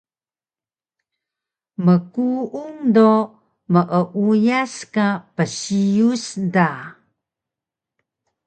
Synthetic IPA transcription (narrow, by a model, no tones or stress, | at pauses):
məkuʔuŋdo | məʔəʔujaskapəsijusda